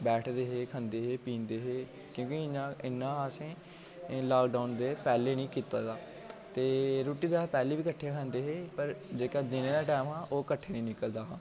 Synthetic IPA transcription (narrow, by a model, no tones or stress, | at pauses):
bɛːʈʰd̪eːɦeːkʰə̃nd̪eːɦeːpĩːnd̪eːɦeː | kjõːkiɪnãːɪnːãːəsẽː | laːkɖaːʊnd̪eːpɛːleːnĩːkiːt̪aːd̪aː | t̪eːɾoːʈiːd̪eaːɦpɛːleːʋiːkəʈʰːekʰə̃nd̪eːɦeːpəɾd͡ʒeːkaːd̪ɪneːd̪aːʈɛːmɦãːʔoːkəʈʰːeːnĩːnɪkəld̪aːɦãː